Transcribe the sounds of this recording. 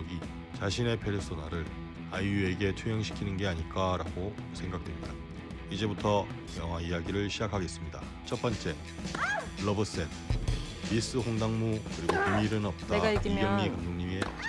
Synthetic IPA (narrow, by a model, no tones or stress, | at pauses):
ɡi | t͡ɕaɕʰine̞pʰe̞ɾɯs͈onaɾɯɾ | ajue̞ɡe̞tʰujʌŋɕʰi̥kʰinɯnɡe̞aɲik͈aɾaɡosʰe̞ŋɡak̚t͈we̞mɲida | id͡ʑe̞butʰʌ | jʌŋɦwaijaɡiɾɯɭɕʰid͡ʑakʰaɡe̞s͈ɯmɲida̰ | t͡ɕʰʌp͈ʌnt͡ɕ͈e̞ | ɾʌbɯs͈en | pis͈ɯɸoŋdaŋmukɯɾiɡoiiɾɯnʌp̚t͈aɡaiɡjʌŋɲikandoŋɲime̞